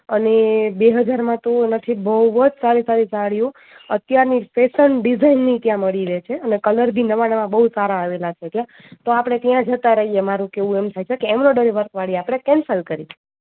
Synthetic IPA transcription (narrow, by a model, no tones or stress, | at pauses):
ənebeɦəd͡ʒaɾmãt̪onət̪ʰibəʋəd͡ʒsaɾisaɾisaɭjũ | ət̪jaɾnifesənɖid͡ʒʱainːit̪jãməɭiɾet͡ʃʰeənekələɾb̪ʱinəʋaɽmãbəɦusaɾaːʋelat͡ʃʰet̪jã | t̪oapɽ̃et̪jãd͡ʒət̪ãɾəɦijemaɾũkeʋũemt̪ʰajt͡ʃʰekeːmnoɖəɾiʋəɾkʋaɽieapɽ̃ekɛnsəlkəɾie